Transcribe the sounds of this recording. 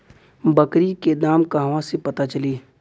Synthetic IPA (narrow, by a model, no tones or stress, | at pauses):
bɐkɾiked̪aːmkaɦʋãsepɐt̪at͡ʃɐliː